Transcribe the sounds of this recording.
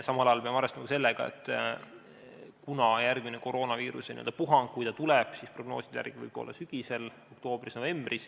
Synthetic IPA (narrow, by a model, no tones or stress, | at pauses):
sɑmɑlɑjɑlpeɑmɑɾest̪umɑkuse̞lːeɡ̥ɑ̰ḛt̪ːˑ | kunɑjærɡmineko̞ɾo̞ːnɑviːɾusenḭøld̪ɑpuɦɑŋkkːujt̪ɑt̪ulɛb̥sispro̞ɡno̞̰ːsid̪̥jæ̰rɡ̥ivɯ̰b̥o̞̰lːɑsyɡ̥ise̞lo̞k̚t̪o̞ːb̥risno̞ve̞mb̥rʔis